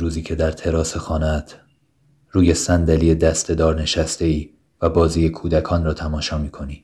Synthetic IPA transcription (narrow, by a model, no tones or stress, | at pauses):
ɾuːziːcʰe̞d̪æɾt̪ʰe̞ɾɒːse̞xɒːnæt̪ʰ | ruːje̞sænd̪æliːe̞d̪æst̪e̞d̪ɒːɾne̞ʃæst̪e̞iː | væbɒːziːje̞kʰuːd̪ækʰɒːnrɒːt̪ʰæmɒːʃɒːmiːkʰo̞niː